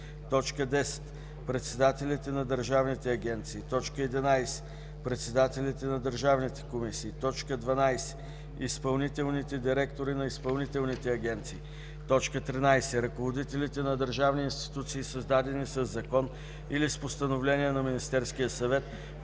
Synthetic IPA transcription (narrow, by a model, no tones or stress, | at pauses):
t̪ɔt͡ʃkəd̪ɛsɛ̥t̪ | pɾɛt̪sɛd̪at̪ɛlʲit̪ɛnɐd̪əɾʒavnit̪ɛɐɡʲɛnt̪siːt̪ɔt͡ʃkəɛd̪inajsɛ̥ | pɾɛt̪sɛd̪at̪ɛlit̪ɛnɐd̪əɾʒavnit̪ɛ̥komisiːt̪ɔt͡ʃkəd̪vɐnajsɛ̥ | ispɐlˠnit̪ɛlˠnit̪ɛd̪iɾɛkt̪oɾinɐispɐlˠnit̪ɛlˠnit̪ɛɐɡʲɛnt̪siː | t̪ɔt͡ʃkət̪ɾinajsɛɾɐkovod̪it̪ɛlit̪ɛnɐd̪əɾʒavniinst̪i̥t̪ut̪siːsəzd̪ad̪ɛnisəzːɐkɔn | ilispost̪ɐnovlɛnijɛnɐminist̪ɛɾskijəsɐvɛt̪